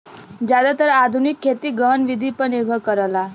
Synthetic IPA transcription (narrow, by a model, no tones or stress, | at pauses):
d͡ʒjad̪at̪əɾad̪ʱunikʰːet̪iɡəɦənʋid̪ʱipəɾniɾbʱəɭkəɾala